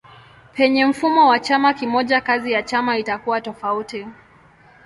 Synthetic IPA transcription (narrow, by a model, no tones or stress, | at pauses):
pɛɲɛm̩fumɔwat͡ʃamakimɔʄakazijat͡ʃamaitakuwatɔfauti